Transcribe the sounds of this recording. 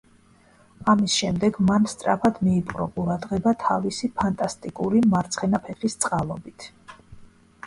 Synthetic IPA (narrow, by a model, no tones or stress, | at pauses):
amisʃɛmd̪ɛɡmanst̪sʼɾa̰pʰad̪miːpʼɾɔ̰qʼuɾad̪ʁɛbat̪ʰavisipʰant̪ʼast̪ʼikʼuɾimaɾt̪sʰχɛnapʰɛχist̪sʼqʼalˠɔbit̪ʰ